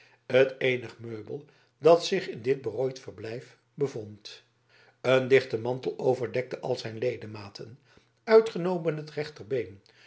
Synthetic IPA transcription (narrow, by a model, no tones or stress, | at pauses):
ətejnəχmøɥbəlˠ | dɑtsɪχɪndɪd̚bəroːjtfərblɛjf | bəvont | əndɪχtəmɑntəlˠowvəɹdɛk̚təʔɑ̰lˠzɛjnlejdəmaːtʰən | œɥtχənowmənɦətrɛχtərbejn